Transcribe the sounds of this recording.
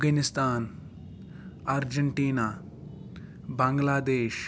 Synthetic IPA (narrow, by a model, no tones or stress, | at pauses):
ɡənɪst̪aːn | aɾd͡ʒəɳʈiːnaː | bɐ̃ŋɡlaːd̪eːʃ